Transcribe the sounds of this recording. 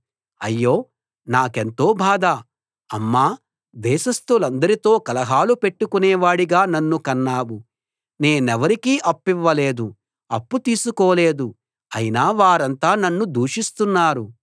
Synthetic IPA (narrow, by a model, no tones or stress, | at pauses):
ɐjːo̞ː | naːke̞nt̪o̞ːbʱaːd̪aː | ɐmːaː | d̪ɛːʃɐst̪ulɐnd̪ɐɾit̪o̞ːkɐlɐɦaːlupe̞ʈːukunɛːʋaːɽiɡaːnɐnːukɐnːaːwu | ne̞ːnɛʋɐɾikiːʔɐpːiʋːɐle̞ːd̪u | ɐpːut̪iːsukɔːle̞ːd̪u | ɐjinaːʋaːɾɐnt̪aːnɐnːud̪uːʂist̪unːaːɾu